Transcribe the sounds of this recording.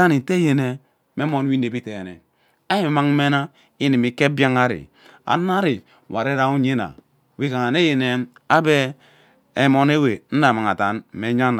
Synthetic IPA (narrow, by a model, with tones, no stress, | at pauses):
a˦ni˨te˦je˨ne˨ | me˦mo˦n˦i˦ne˨bi˦te˨e˨nḛ˨ | a˦i˦m˨ma˦ŋ˦me˦na˦ | i˦ni˨mi˨˦ke˦ba˦ŋa˦ɾḭ˨ | a̰˨˦na˦ɾi˨ | wa˨ɾe˦ɾa˦u˦ɲe˦na̰˨ | wi˦ka˨ŋa˨ne˦je˨ne˨a˦beː˦˨ | mo˨ne˦we˨n̩˦da˨ma˨ŋa˨ta˨n˨me˨ɲa˦n